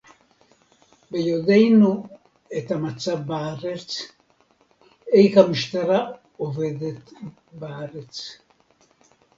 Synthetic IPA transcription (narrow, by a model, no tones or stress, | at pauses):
bejod̪ejnu | et̪amat͡sabbaːɾet͡s | ejkamiʃt̪aɾa | oved̪et̪baːɾet͡s